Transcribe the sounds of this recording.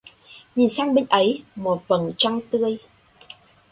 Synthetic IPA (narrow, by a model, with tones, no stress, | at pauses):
ɲi˨˩nsaː˧ŋɓï˧ŋ̟ʔə˨˦jmo˨˩t̚və˨˩nt͡ɕa˧ŋt̪ɨ˧əj